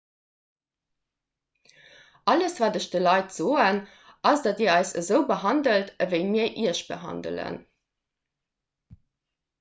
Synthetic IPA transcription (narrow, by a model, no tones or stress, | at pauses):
ʔɑləsvaːdəʃdəlɑɪtz̥oːən | ʔɑsdɑtiːɐɑɪsəzəʊbəɦɑndəltəvəɪmiːɐʔiɐʃb̥ə̰ɦɑ̰ndə̰lə̰n